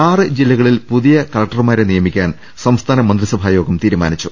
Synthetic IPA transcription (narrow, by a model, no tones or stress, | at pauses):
aːrɨd͡ʑilːɐɣɐɭilpuðijɐkɐlɐk̚ʈɐrmaːɾenijɐmikʲːaːn | sɐmst̪ʰaːnɐmɐnd̪risɐbʱaːjo̞ːɡɐmt̪iːɾuma̰ːnit͡ɕːu̥